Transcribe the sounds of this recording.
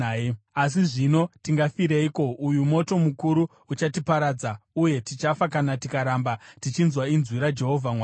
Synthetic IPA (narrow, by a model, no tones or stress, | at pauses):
as̬iʐino̞tiŋɡafiɾeiko̞ujumo̞to̞mukuɾu | ut͡ʃatipaɾad͡zauje̞tit͡ʃafakanatikaɾambatit͡ʃinzwainzwiɾad͡ʒe̞ɦo̞vʱamwa